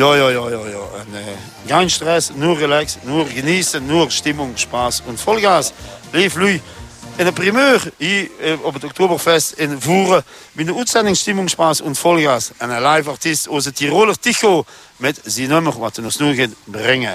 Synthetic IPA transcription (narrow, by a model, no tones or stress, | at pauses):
jɔːjɔjoːjoːjoːənː | ɡaɪnʃtʁɛsnuːʁelɛksnuʁɡəniːsənuʁʃtɪmʊŋʃpaːsʊntfɔlɡaːsleːflyjɪnəpʁimøːʁhiːobətɔk̚toːbəʁfɛstɪnvuːʁə | binəuːtsɛndɪŋsʃtɪmʊŋʃpaːsʊntfɔlɡaːsanalaɪfaʁtistos̬ətʰiʁolətiço | mɪtzinøməʁwatənosnuːɡetbʁɪŋə